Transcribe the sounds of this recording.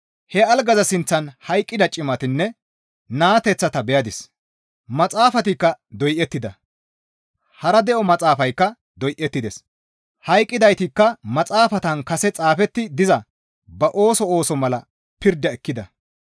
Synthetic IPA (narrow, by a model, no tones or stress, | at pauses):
hɛɐlɡɐzɐsɪnt͡sːɐnhɐjkʼːɪd̪ɐt͡ʃʼɪmɐt̪ɪnːɛ | naːt̪ɛt͡sːɐt̪ɐbɛjɐd̪ɪs | mɐt͡sʼaːfɐt̪ɪkːɐd̪ɔjʔɛt̪ːɪd̪ɐ | hɐɾɐd̪ɛʔɔmɐt͡sʼaːfɐjkːɐ | d̪ɔjʔɛt̪ːɪd̪ɛs | hɐjkʼːɪd̪ɐjt̪ɪkːɐmɐt͡sʼaːfɐt̪ɐnkɐsɛt͡sʼaːfɛt̪ːɪd̪ɪzɐ | bɐʔo̞ːsɔoːsɔmɐlɐ | pɪɾd̪ɐɛkːɪd̪ɐ